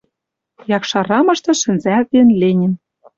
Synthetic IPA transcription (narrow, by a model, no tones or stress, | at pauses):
jɑkʃɑɾɑmɤ̆ʃt̪ɤ̆ʃɘ̆nzævenlenʲɘ̆n